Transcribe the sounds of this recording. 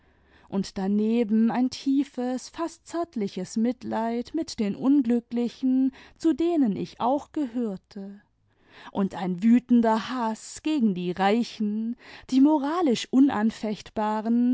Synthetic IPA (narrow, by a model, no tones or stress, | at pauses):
ʔʊntd̥aneːbm̩aɪntʰiːfəsfast̚t͡sɛɐtlɪçəsmɪtlaɪtmɪtd̥eːnʔʊnɡlʏklɪçn̩t͡sudeːnənɪ̰çaʊxɡ̥əhøːɐtʰə | ʔʊntaɪnvyːtn̩dɐhasɡ̥eːɡŋ̩diːʁaɪçn̩d̥iːmoʁaːlɪʃʔʊnʔanfɛçtb̥aːʁən